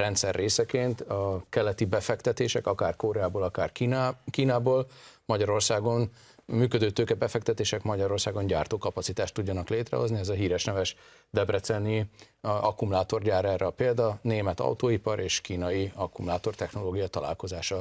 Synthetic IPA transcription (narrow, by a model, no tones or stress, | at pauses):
rɛnt̪sɛrːeːsɛkeːnt̪ɒkɛlːɛt̪ibɛfɛkt̪ɛt̪eːʃɛkɒkaːrkoɾɛaːboːlɒkaːrkiːnaːboːlmɒɟɒɾo̞rsaːɡo̞n | myːkød̪øːt̪øːkɛbɛfɛk̚t̪ɛt̪eːʃɛkmɒɟɒɾo̞rsaːɡo̞nɲɟaːrt̪oːkɒpɒt̪sit̪aːʃt̪ːuɟːɒnɒkleːt̪rɛ̰ɦo̞zniɛzɒɦiːɾɛʃnɛvɛʃ | d̪ɛbrɛt̪sɛnːi | ɒkumulaːt̪o̞rɟaːɾɛrɛɒpeːld̪ɒneːmɛt̪ɒ̰wt̪oːipɒɾeːʃkiːnɒjiɒkumulaːt̪o̞rt̪ɛxno̞loːɡijɒt̪ɒla̰ːlko̞zaːʃɒ